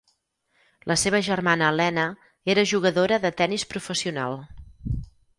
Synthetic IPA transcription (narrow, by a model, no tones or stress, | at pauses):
lʔəseβəʒərmanəːlɛnə | eɾəʒuɣ̞əðoɾəðət̪ɛnispɾufəsiuna̰lˠ